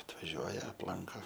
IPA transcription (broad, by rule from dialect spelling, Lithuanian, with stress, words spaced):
ɐtʋɐˈʒʲuɔjɛ ɐpˈlˠɐŋkoː